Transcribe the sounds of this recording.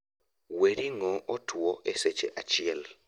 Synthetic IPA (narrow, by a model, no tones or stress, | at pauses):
weɾiŋɔʔɔtʰwɔʔeset͡ʃeʔat͡ʃɪɛl